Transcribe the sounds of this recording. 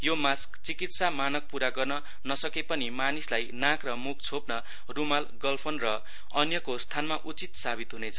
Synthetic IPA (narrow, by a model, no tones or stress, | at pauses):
jomaskt͡sikit̪samanʌk̚puɾaɡʌrnʌ | nʌsʌkepʌnimanislajnãkrʌmuk̚ʰt͡sʰopnʌ | rumalɡʌlpʰʌnrʌ | ʌnjʌkost̪ʰanmaʔut͡sit̪sabit̪ɦunet͡sʰʌ̥